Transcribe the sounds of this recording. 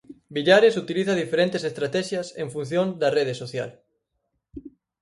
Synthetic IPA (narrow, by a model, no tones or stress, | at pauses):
biʎaɾesut̪iliθɐðifeɾẽnt̪esest̪ɾat̪ɛʃjɐsḛɱfun̟θjõnd̪ɐreð̞esoθja̰l